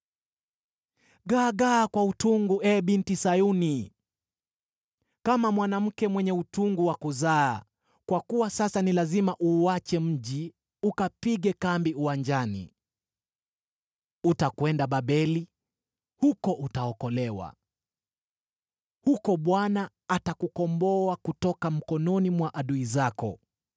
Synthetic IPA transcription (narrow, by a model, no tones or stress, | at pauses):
ɡaːɡakwautuŋɡuʔɛɓintisajuni | kamamwanam̩kɛmwɛɲɛutuŋɡuwakuzaː | kwakuwasasanilazimaʔuat͡ʃɛm̩ʄi | ukapiɠɛkambiuwaɲd͡ʒanḭ | utakwɛndaɓaɓɛli | hukɔʔutaɔkɔlɛwa̰ | hukɔɓwanaː | takukɔmbɔakutɔkam̩kɔnɔnimwaʔaɗuizakɔ̰